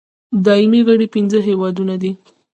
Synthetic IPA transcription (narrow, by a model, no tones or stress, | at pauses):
d̪ɑɪmiɣəɽipinzəɦewɑd̪unad̪i